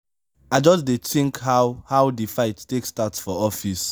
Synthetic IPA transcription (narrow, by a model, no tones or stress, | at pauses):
aɪd͡ʒɔsdetĩŋkhawhaʊdifaɪttekstatsfɔɔfis